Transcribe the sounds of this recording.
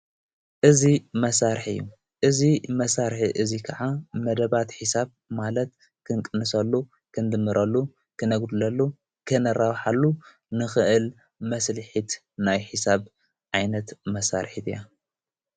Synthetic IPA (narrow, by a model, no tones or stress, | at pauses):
ʔɨzimɐsaɾħɨ̰jːu | ʔɨzimɐsaɾħiʔɨzikʰaʕamɐd̪ɐβat̪ħisaβ | malɐt̪̚ | kʰɨŋkʼɨnɨsɐlːu | kʰɨnd̪ɨmːɨɾʔɐlːu | kʰɨnɐɡd̪ulɐlːu | kʰɨnɐrawħalːu | nɨxɨʔɨl | mɐslɨħit̪ | najħisaβ | ʕajnɐt̪mɐsa̰ɾħit̪ɨja